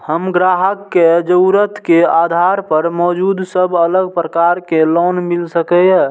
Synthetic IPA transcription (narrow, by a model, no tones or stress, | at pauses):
həmɡɾaɦəkːed͡ʒəɾət̪ʰkead̪ʱaɾpəɾmɔːd͡ʒud̪səbʱələɡ̚pɾəkaɾkelɔnmilsəkɛɛ